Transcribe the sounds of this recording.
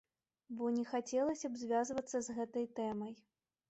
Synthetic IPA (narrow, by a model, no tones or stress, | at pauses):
bɔnʲɛxat͡sʲɛlˠɐsʲɐbzʲvʲazvɐt̪sːɐzɣɛt̪ɐjt̪ɛmɐj